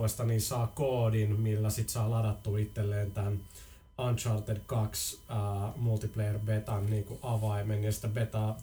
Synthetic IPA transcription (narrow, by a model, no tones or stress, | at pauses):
est̪ɑniːnsɑːkoːdinmilːæsit̪sɑilɑdɑt̪ːuːit̪ːelːeːnt̪æn | ɑnt͡ʃɑrt̪edkɑksəːmult̪iplejerʋet̪ɑnniːŋkuʔɑʋɑimenjɑsi̥t̪æʋet̪ɑː